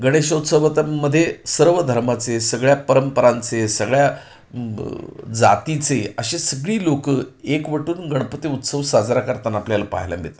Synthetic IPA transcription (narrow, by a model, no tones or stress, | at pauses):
ɡəɽ̃eɕot̪səʋət̪amːəd̪ʱːjesəɾʋəd̪ʱəɾmat͡sesəɡɭjapəɾəmpəɾãnt͡sesəɡɭja | d͡za̰t̪it͡seəɕesəɡɭiːlokəekʋəʈuːnɡəɳpət̪iut̪səʋsad͡zɾakəɾt̪anapljalapa̰ɦla̰mbḛt̪a